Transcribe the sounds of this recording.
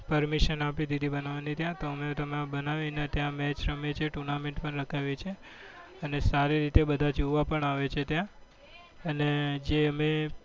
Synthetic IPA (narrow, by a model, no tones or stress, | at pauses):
pəɾmiʃənapid̪id̪ʱibənaʋanit̪jãt̪oəmet̪əmabənaʋinat̪jãmɛt͡ʃɾəmet͡ʃʰeʈuɾnamẽɳʈpəɳɾəkʰaʋit͡ʃʰe | ənesaɾiɾit̪ebəd̪ʱad͡ʒuʋapəɳaʋet͡ʃʰet̪jã | əned͡ʒeəme